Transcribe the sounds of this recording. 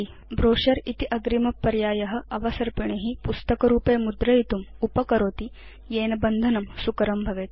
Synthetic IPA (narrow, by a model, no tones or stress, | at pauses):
i | bɾoːʂɐɾit̪iʔɐɡɾimɐpːɐɾjaːjɐɦɐ̆ʔɐʋɐsɐɾpiɳeɦipust̪ɐkɐɾuːpeːmud̪ɾɐit̪umupɐkɐɾoːt̪i | jeːnɐbɐnd̪ʱɐnɐmsukɐɾɐmbʱɐʋeːt̪